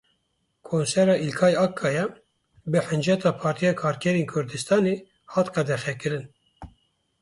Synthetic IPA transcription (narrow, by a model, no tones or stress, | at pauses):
kʰoːnsɛɾɑːʔilkʰɑːjɑːkʰːɑːjɛ | bɨħɨnd͡ʒɛt̪ɑːpʰɑːɾt̪ʰijɑːkʰɑːɾkʰɛɾeːnkʰʊɾd̪ɨst̪ɑːneː | hɑːt̪qɛd̪ɛxɛkɨɾɨn